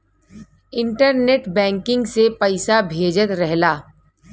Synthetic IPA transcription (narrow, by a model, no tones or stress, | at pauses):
ɪ̃ɳʈəɾneːʈbɛ̃ːŋkɪ̃ŋɡsepɐɪsabʱeːd͡ʒət̪ɾɛɦlaː